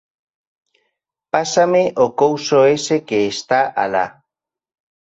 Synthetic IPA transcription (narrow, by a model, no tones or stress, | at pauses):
pasameʔokowsoese̞keːst̪aʔa̰la̰